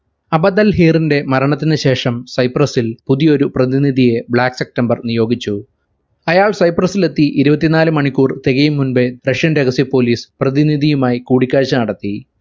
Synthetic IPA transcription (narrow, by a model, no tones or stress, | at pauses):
ɐbɐd̪ɐlɦiːrinde̞mɐɾɐɳɐt̪̬ːinɨɕe̞ːʂɐmsɐjprɐsilpuðijo̞ɾuprɐðiniðʱije̞bɭaːksek̚ʈɐmbɐrnijo̞ːɡit͡ɕːu | ɐjaːɭsɐjprɐsile̞t̪ːiʔiɾubɐt̪ːinaːlɨmɐɳikʲːuːrt̪eɣɐjumːunbe̞prɐʂjɐnɾeɣɐsipo̞ːliːsprɐðiniðijumaːjikuːɽikʲːaːɻɕɐnɐɽɐt̪ːi